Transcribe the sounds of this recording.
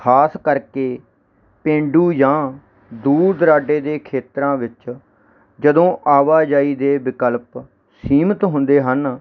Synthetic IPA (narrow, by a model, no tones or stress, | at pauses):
kʰaːskəɾkeː | pẽːɳɖuːjãː | d̪uːɾd̪ɾaːɖeːd̪eːkʰeːt̪ɾãːʋɪt͡ʃ | d͡ʒəd̪õːʔaːʋaːd͡ʒaːiːd̪eːbɪkəlp | siːmət̪ɦʊ̃nd̪eːɦən